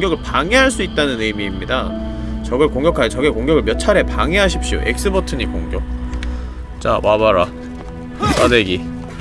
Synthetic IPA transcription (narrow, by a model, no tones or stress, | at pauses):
ŋɡjʌɡɯɭpaŋeɦaɭs͈uit̚t͈anɯnɯmiːmɲida | t͡ɕʌɡɯɭkoŋɡjʌkʰajt͡ɕʌɡekoŋɡjʌɡɯɭmjʌt͡ɕʰaɾe̞paŋeɦaɕʰip̚ɕ͈io̰ʔḛk̚s͈ɯbʌtʰɯɲikoŋɡjʌk̚ | t͡ɕa̰wabaɾa | wa̰deɡi